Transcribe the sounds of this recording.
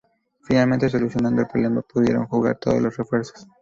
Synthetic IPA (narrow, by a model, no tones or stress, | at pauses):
finalmẽ̞nt̪e̞s̬o̞lusjo̞nand̪o̞elpɾole̞mapuðjeɾo̞̰ŋxuɣa̰ɾt̪oðo̰lo̞srefwe̞ɾso̥s